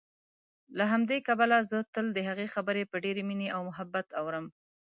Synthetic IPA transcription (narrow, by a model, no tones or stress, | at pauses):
laɦamd̪ekabalazət̪əld̪əɦaɣexabəɾepəɖeɾemineʔawmʊɦabːat̪awɾəm